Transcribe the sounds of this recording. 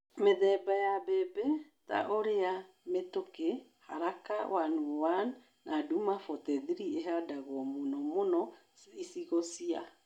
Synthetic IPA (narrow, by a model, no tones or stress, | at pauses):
meðɛbajabɛbɛ | ta̰ʔoɾea | metokeha̰ɾaka̰wanuwanː | ʔadumafɔtɛðiɾieɦadaɣwɔmonɔmonɔ | isiɣosia